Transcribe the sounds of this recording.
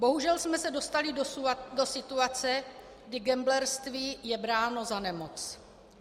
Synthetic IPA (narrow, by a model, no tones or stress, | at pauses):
bo̞ɦuʒɛlsmɛsɛdo̞st̪alɪdo̞sɪt̪uat͡sɛ | ɡdɪɡɛmblɛɾst̪viːjɛbɾaːno̞zanɛmot͡s